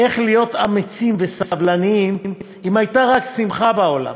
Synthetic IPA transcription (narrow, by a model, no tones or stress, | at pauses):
e̞χlijo̞t̪amet͡simvesasavlaniimm | imajt̪aʁaksimχabao̞la̰m